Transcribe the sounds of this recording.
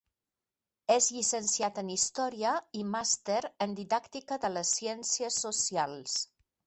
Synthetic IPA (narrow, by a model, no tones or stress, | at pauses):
ezʎisənsijat̪ənist̪ɔɾiəimast̪eɾənd̪iðakt̪ikəðələsːiɛnsiəsːusialˠs